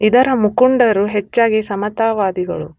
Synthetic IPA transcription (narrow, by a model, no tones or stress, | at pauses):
id̪ɐɾɐmukuɳɖɐɾuɦet͡ʃːaːɡisɐmɐt̪aːʋaːd̪iɡɐ̰ɭṵ